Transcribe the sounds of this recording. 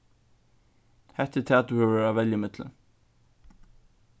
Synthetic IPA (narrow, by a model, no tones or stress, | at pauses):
hɛht̪ːɛt̪ʰɛːt̪uhɛvɛːɾavɛljəmɪt̪lɪ̰n